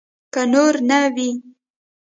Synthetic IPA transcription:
kanoɾnawi

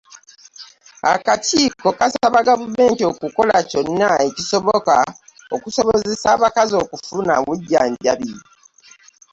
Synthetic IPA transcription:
a̰kaciːko̞kasaβaɡavume̞ːntio̞kuko̞laco̞nːaecisoβoka | okusoβozesaːβakazo̞ːkufunawuɟːaːɲɟaβi

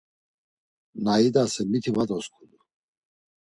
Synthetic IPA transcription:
naid̪asɛmit̪ʰivad̪ɔskʰud̪u

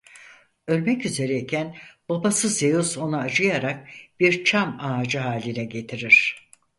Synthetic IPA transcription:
ø̞lʲmɛcyze̞ɾɛicʰænb̥abasɯzejuso̞naːd͡ʒɯjaɾak̚b̥iɾt͡ʃʰamaːd͡ʒɯɦaːlʲinɛɟe̞t̪ʰiɾiɾ̥

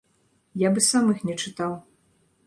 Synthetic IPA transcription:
jabɨsamɨxnʲɛt͡ʂɨt̪aw

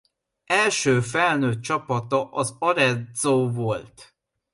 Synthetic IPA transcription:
ɛlʃøːfɛlnøt̪̚t͡ʃɒpɒt̪ɒʔɒzɒɾɛzoːvolt̪

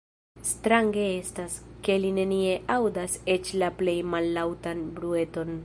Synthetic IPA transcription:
stɾaŋɡe̞e̞staske̞line̞nie̞ʔawdase̞t͡ʃlaple̞jmalːawtanbɾue̞to̞n

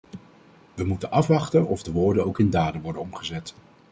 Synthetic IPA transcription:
ʋəmutənʔɑfʋɑχtənɔvdəʋʊːɹdənowkɪndaːdəʋɔɹdənɔmχəzɛt

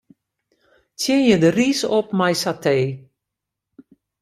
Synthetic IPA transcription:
tʰjɪnjədərisop̚majsatʰeː

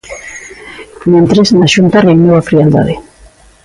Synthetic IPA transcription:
mẽnt̪ɾeznaʃunt̪areunowafɾiald̪a̰ð̞e

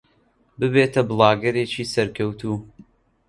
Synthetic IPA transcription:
bɨbeːt̪ʰɐbɨlˠɑːɡɐɾeːt͡ʃiːsɐɾkʰɐwt̪ʰuː

